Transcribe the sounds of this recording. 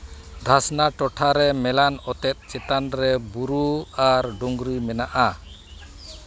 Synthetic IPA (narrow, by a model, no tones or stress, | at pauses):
d̪ʱasnaʈɔʈʰaɾɛmɛlanɔt̪ɛt̪̚t͡ʃɛt̪anɾɛbuɾuaɾɖuŋɡɾimɛnaʔa